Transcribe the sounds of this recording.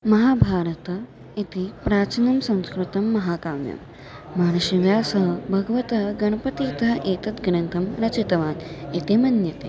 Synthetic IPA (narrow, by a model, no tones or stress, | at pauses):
mɐɦaːbʱaːɾɐt̪ɐ | it̪ipɾaːt͡ʃinɐmsɐ̃w̃skɾut̪ɐmːɐɦaːkaːmjɐ̰mː | aːnɐʃiʋjaːsɐɦɐbʱɐɡɐʋɐt̪ɐɦɡɐɳ̃ɐpɐt̪iːt̪ɐɦʔeːt̪ɐt̪ɡɾɐnt̪ʰɐmɾɐt͡ʃit̪ɐʋaːnit̪emɐnjɐt̪ḛː